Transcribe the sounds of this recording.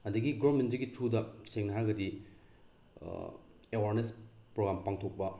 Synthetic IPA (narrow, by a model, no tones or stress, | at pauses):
ɐndɐɡiɡomentdiɡit͡ʃʰudɐseŋnɐɦaɾɡɐdi | ewaɾnespɾoɡɾampaŋtʰok̚pɐ